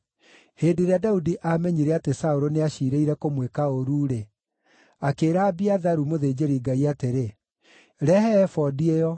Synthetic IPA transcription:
heːndeɾeadaudiʔamɛɲiɾɛatesaoɾoneaɕiɾeiɾɛkomwekaoɾuːɾe | akeːɾabiaðaɾumoðed͡ʑeɾiɡaiateɾe | ɾɛhɛːfɔdiejɔ

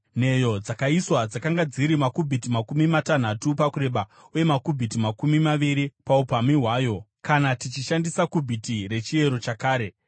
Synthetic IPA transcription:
n̤e̞jo̞d͡zakaiswad͡zakaŋɡad͡ziɾimakubʱitimakumimatan̤atupakuɾe̞ɓa | uje̞makubʱitimakumimaʋiɾipaupamiɦwaːjo̞kanatit͡ʃiʃandisakubʱitiɾe̞t͡ʃie̞ɾo̞t͡ʃakaːɾe̞

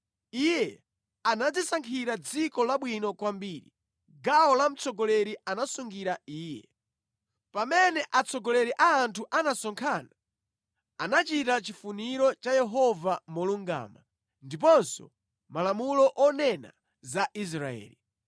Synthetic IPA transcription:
ijɛ | anad͡zisaŋkʰiɾad͡zikɔlaɓwinɔkwambiːɾḭ | ɡaɔlam̩t͡sʰɔɡɔlɛɾianasuŋɡiɾaiːjɛ | pamɛnɛʔat͡sʰɔɡɔlɛɾiʔaːntʰuʔanasɔŋkʰana | anat͡ʃitat͡ʃifuniɾɔt͡ʃajɛɦɔvamuluŋɡa̰ːma | ndip̬ɔnsɔ̰ | malamulɔʔɔnɛna̰ | zaʔis̬ɾaɛ̰ːli

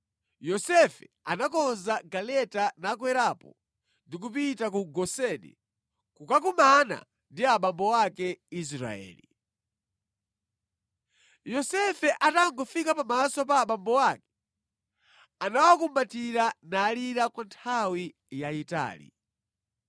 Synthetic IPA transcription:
jɔsɛfɛanakɔnzaɡalɛtanakwɛɾapɔ | ndik̬upitak̬uɡɔsɛnḭ | kukak̬umana̰ | ndiaɓambɔwakɛis̬ɾa̰ɛ̰ːli | jɔsɛfɛʔataŋɡɔfikapamasɔpaːɓambɔwakɛ̥ | anawakumbatiɾanaːliɾakwantʰawi | jaita̰ːlḭ

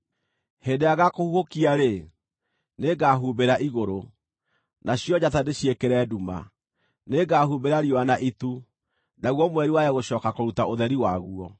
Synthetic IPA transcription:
heːndeaɣakohuhokiaɾe | neɡaɦuːmbeɾaʔiɣoɾo | naɕjɔd͡ʑatadeɕiekeɾɛːduma̰ | neɡahumbeɾaɾiɔanaʔitu | naɣwɔmwɛɾiwajɛɣoɕɔːkakoɾutaoðɛɾiwaɣuɔ

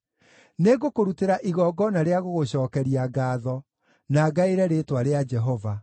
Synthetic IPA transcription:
neɡokoɾuteɾaʔiɣɔɡɔnaɾeaɣoɣoɕɔːkɛɾiaɡaːðɔ | naɡaiɾɛɾetwaɾead͡ʒɛɦɔva

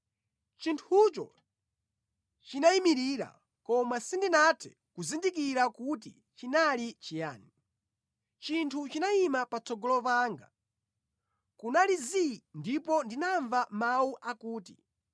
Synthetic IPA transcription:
t͡ʃintʰut͡ʃɔ̰ | t͡ʃinaimiɾiɾa̰ | kɔmasindinatʰɛ̥ | kuzindikiɾakut̬ḭ | t͡ʃinalit͡ʃija̰ːni | t͡ʃintʰut͡ʃinaimapat͡sɔɡɔlɔpaːŋɡa̰ | kunalizindipɔndinaɱvamauʔakuːti

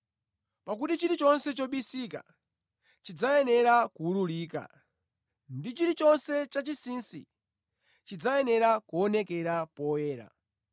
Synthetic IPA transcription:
pak̬utit͡ʃiɾit͡ʃɔnsɛt͡ʃɔɓisika̰ | t͡ʃid͡zajɛnɛɾakuululiːka̰ | ndit͡ʃiɾit͡ʃɔnsɛt͡ʃat͡ʃisinsḭ | t͡ʃid͡zajɛnɛɾakuɔnɛkɛɾapɔjɛːɾa̰

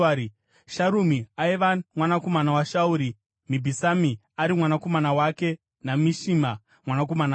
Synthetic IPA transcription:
ʃaɾumiaiʋamwanako̞manawaʃauɾi | mibʱisami | aɾimwanako̞manawake̞ | namiʃima | mwanak̬o̞mana

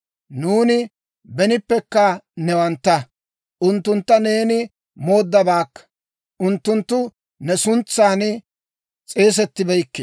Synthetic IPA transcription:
nuːnɪ | bɛnɪpːɛkːɐnɛwɐnt̪ːɐ | ʔʊnt̪ːʊnt̪ːɐne̞ːnɪ | mo̞ːd̪ːɐbaːkːɐ̥ | ʔʊnt̪ːʊnt̪ːʊ | nɛsʊnt͡sːaːnɪ | t͡sʼe̞ːs̬ɛt̪ːɪbɛjkːe

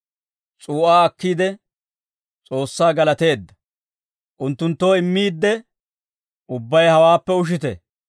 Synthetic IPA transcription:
t͡sʼuːʔaːɐkːiːd̪ɛ | t͡sʼo̞ːsːaːɡɐlɐt̪e̞ːd̪ːɐ̥ | ʔʊnt̪ːʊnt̪ːo̞ːɪmːiːd̪ːɛ | ʊbːɐjhɐwaːpːɛʊʃ̬ɪt̪ɛ̰

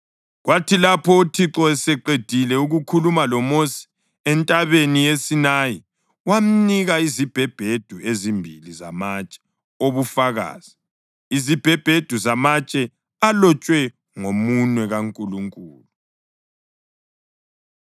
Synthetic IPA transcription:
ɣwatʰilapʰɔutʰiǁɔɛsɛǃed̥ʱilɛuɣukʰulumalɔmosi̥ | ɛntʼaβenijesinaji | wam̩niɣaizib̥ʱɛb̥ʱed̥ʱuezimbʱiliza̰mat͡ʃʼɛ̥ | oβufaɣa̰ːz̥i | izib̥ʱɛb̥ʱed̥ʱuzamat͡ʃʼɛ | alɔt͡ʃʼwɛ | ŋomunwɛɣaŋkʼuluŋkʼṵːlu

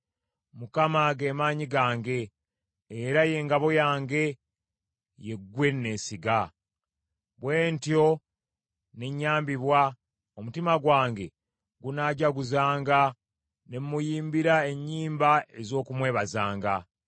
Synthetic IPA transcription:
mukamaɡe̞maːɲiɡaːŋɡe̞ː | ɾaje̞ːŋɡaβo̞jaːŋɡe̞ | je̞ɡwe̞nːe̞ːsiɡa | βwe̞ːntjo̞ | ne̞ɲːaːmbiβwa | omutimaɡwaːŋɡe̞ | ɡunaɟaɡuzaːŋɡa | ne̞mːujiːmbiɾae̞ɲːiːmbae̞zo̞ːkumwe̞ːβazaːŋɡa

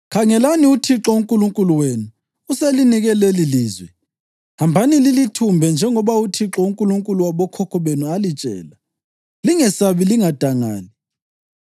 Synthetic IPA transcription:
kʰaŋɛlaniutʰiǁɔuŋkʼuluŋkʼuluwenuː | seliniɣɛleliliːzwɛ | hambʱanililitʰumbʱɛnd͡ʒʱɛŋɔβautʰiǁɔuŋkʼuluŋkʼuluwaβɔkʰɔkʰɔβenualit͡ʃʼɛ̰ːla | liŋɛsaβiliŋad̥ʱaŋa̰ːli

